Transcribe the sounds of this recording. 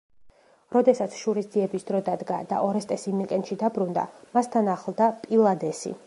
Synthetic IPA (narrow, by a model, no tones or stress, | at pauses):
ɾɔd̪ɛsat̪sʰʃuɾisd̪ziɛbisd̪ɾɔd̪ad̪ɡa̰d̪a̰ʔɔɾɛst̪ʼɛsimikʼɛnt̪ʃid̪abɾund̪a̰mast̪ʰanaχlˠd̪apʼilˠad̪ɛsḭ